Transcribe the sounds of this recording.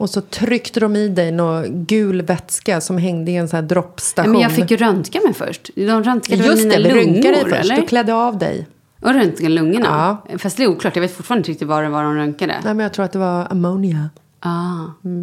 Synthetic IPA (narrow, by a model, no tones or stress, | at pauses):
ɔsɔt̪ʰɾʏkt̪əd̪ɔmɪd̪ɛjnoɡʉ̟ːlvɛt̪skasɔmɦɛŋd̪əɪɛnsæːd̪ɾɔpːst̪aɧmɛujɑːɡnfɪkːjɵɾœnt̪kamɛjfœ̰ʂʈd̪ɔmɾœnt̪kad̪jɵmsiːnɛɪɾɵŋkːad̪ɛjɾfœɛ̰ʂlt̪ːəɾɔkʰlɛd̪ːəɑvd̪ɛ̰j | ʔɔɾœnt̪ɡalɵŋːəna̰ɑːfast̪d̪ɛːɾuːkʰlɑːʈːjɑveːt̪fʊʈfɑːɾnɪɾɪk̚t̪ɪt̪vaɾɛvaɖɔmɾœŋkad̪ə̰nɛːjmɛnjɑɡt̪ɾuːɾt̪d̪ɛvaɾa̰monɪa | ʔɑː